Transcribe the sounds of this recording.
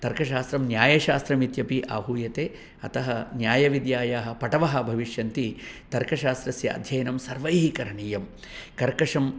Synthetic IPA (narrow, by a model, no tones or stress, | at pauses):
t̪ɐɾkɐʃaːst̪ɾɐmnjaːjɐʃaːst̪ɾɐmit̪jɐpiʔaːɦuːjɐt̪eː | ɐt̪ɐɦɐnjaːjɐʋid̪jaːjaːɦɐ̆pɐʈɐʋɐɦɐ̆bʱɐʋiʃjɐnt̪it̪ɐɾkɐʃaːst̪ɾɐsjɐ̰ːd̪ʱjɐjɐnɐmsɐɾʋɐjɦikɐɾɐɳiːjɐm | kɐɾkɐʂɐm